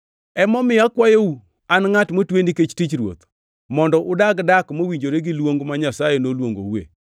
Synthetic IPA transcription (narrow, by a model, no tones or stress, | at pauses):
ɛmɔmɪakwajou | anŋatmotweniket͡ʃtit͡ʃɾwo̰t̪ | mɔndɔʔʊdaɡdakmowiɲd͡ʒoɾeɡɪlwoŋɡmaɲasajenolwoŋɡo̰wḛ